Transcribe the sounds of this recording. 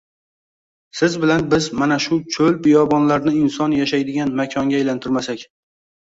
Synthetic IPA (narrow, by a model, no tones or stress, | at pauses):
sɪzbɪlanbɪzmanaʃʊt͡ʃʰɵlpɪjɒbɒnlaɾnɪɪnsɒnjaʃajd̪ɪɡʲanmakʲʰɒŋɡʲaajlant̪ʰɪɾmasakʲ